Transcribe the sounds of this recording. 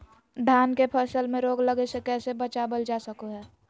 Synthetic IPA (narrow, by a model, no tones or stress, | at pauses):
d̪ʱaːnkepʰəɾsəlmẽɾoːɡləɡesekɛːsebət͡ʃaːbəld͡ʒasəkoɦɛː